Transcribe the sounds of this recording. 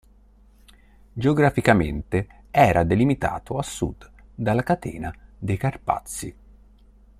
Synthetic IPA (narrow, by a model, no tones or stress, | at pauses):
d͡ʒeoɡɾafikamḛnt̪e | ɛːɾʔad̪elimit̪a̰ːt̪oasːṵd̪d̪alːakat̪ḛːnad̪ejkarpa̰t̪sːi